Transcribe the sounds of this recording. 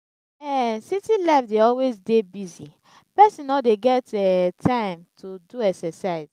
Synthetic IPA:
ɛsitilaɪfdeɔlwezdebizi | pɛsĩnɔdeɡɛtɛtʰãɪ̃mtʰuduɛksɛsaɪz̥

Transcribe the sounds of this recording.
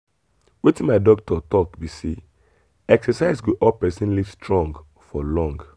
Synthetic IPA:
wetĩnmaɪdɔk̚tʰɔtɔkbisi | ɛksɛsaɪsɡoʔɔlpɛsĩnliv̥stɹɔ̃ŋɡ | fɔlɔ̃ŋɡ

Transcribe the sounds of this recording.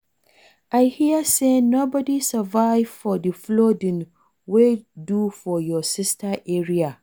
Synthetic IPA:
ʔajhijasenoːbɔdisɐvaɪvfɔdiflodɪ̃n | wedufɔjɔsɪstʰaʔɛɹia

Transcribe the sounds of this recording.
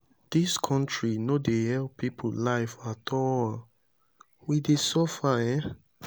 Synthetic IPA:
d̥iskʰɔ̃ntɹinodehɛlppʰːipʰolaɪfatʰɔl | widesɔfaɛ

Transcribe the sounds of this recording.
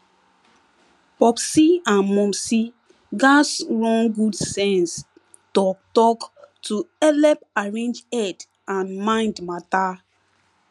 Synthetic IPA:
pɔpsiãnmɔ̃msi | ɡasɹɔ̃ŋɡudsɛ̃ns | tɔk̚tɔktʰuɛlɛpaɹẽnd͡ʒɛt | ãnmãɪ̃ndmata

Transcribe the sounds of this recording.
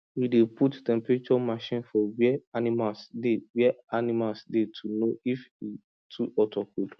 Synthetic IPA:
wideputtɛ̃mpɛɹet͡ʃɔmaʃĩnfɔwɛɛanimalsdewɛanimalsdetʰunoifi | tʰuʔɔtʰɔkud

